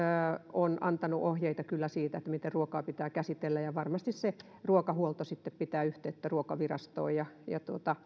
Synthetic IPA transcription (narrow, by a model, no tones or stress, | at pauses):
onɑ̰nt̪ɑnuʔohjeit̪ɑkylːæsiːt̪æet̪ːæmit̪erruokɑːpit̪æːkæsit̪elːæjɑʋɑrmɑst̪isse | ruokɑhuolt̪osit̪ːeppit̪æːyht̪eyt̪ːæruokɑʋirɑ̰st̪o̰ːjɑjɑ̰t̪uot̪ɑ